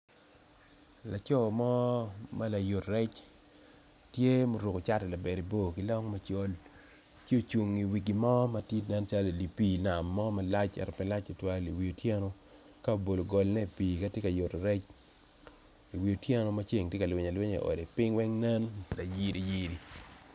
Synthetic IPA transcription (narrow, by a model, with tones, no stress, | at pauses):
la˨t͡ʃɔ˦˨mɔ˦ma˦la˨jo˨tɾɛ˦t͡ʃ | tje˦mo˨ɾu˨ko˨t͡ʃa˦tɛ˨la˨bɛ˨ɾi˨bo˦˨ki˦lɔ˦ŋma˦t͡ʃo˦l | t͡ʃo˨t͡ʃu˨ŋi˨wi˨ɡi˨mɔ˦ma˦ti˦tna˦nt͡ʃa˦le˨li˨pi˦na˨mːɔ˦ma˦la˦t͡ʃɛ̰˨ɾɔ˨pɛ˦la˦t͡ʃi˨twa˦li˨wi˨o˨tjɛ˦no˦ | ka˦o˨bo˨lo˨ɡɔ˨lnɛ˦˨pi˨ka˦tje˦ka˨jo˨tɾɛ˦t͡ʃ | i˨wi˨o˨tjɛ˦no˦ma˦t͡ʃe˦˨ŋtje˦ka˨lwɪ˨ɲa˨lwe˦ɲḛ˨ʔo̰˨de˨pɪ˦ŋwɛ˦ŋnɛ˦nla˨ji˦di˨ji˦ɾi˨